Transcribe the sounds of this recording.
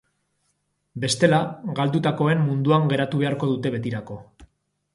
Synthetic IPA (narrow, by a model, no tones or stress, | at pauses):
be̞st̪e̞laɡald̪ut̪ako̞e̞mːund̪uaŋɡe̞ɾat̪uβe̞aɾko̞ðut̪e̞βe̞t̪iɾako̞